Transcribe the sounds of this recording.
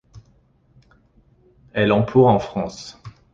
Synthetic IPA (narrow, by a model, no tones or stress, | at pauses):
ɛlɑ̃pʰuʁɑ̃fχɑ̃s